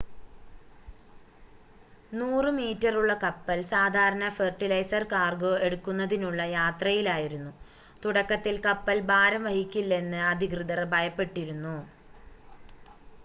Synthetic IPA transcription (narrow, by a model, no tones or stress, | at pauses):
nuːrɨmiːtːɐruɭːɐkɐpːɐlsaːd̪ʱaːɾɐɳɐferʈːilɐjsɐrkaːrɡoe̞ɽukːunːɐðinuɭːɐjaːt̪rɐjilaːjiɾunːu | t̪uɽɐkːɐt̪ːilkɐpːɐlbaːɾɐmʋɐhikʲːilːɐe̞nːɨɐd̪ʱikrɨd̪ɐrbʱɐjɐpːe̞ʈːiɾunːu